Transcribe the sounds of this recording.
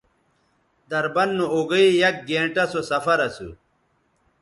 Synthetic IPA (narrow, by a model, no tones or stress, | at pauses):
d̪ɐɾbɐnːuoɡɐijɐk̚ɡeːɳʈɐsosɐfɐɾɐsṵ